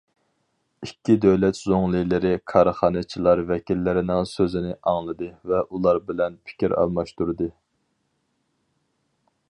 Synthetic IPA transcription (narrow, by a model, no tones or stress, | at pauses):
ikʲːid̪øwlɛt̪z̥oŋlˠɨjlɪɾɪkʰɑɾχɑːnɨt͡ʃʰilˠɑɾvɛkʲilːɪɾɪnɪŋsøzɪnɪʔɑŋlˠɨd̪ɨvɛʔulˠɑɾbɪlɛnpʰi̥kʲʰiɾɑ̰lˠmɑʃt̪uɾɨd̪ɨ